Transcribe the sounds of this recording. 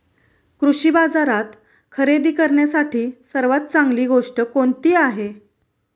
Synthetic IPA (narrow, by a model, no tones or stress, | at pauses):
kɾuɕiːbad͡zaɾat̪ | kʰəɾed̪iːkəɾɳjasaʈʰiːsəɾʋat̪̚t͡saŋɡliːɡoʂʈəkoɳt̪iːaɦe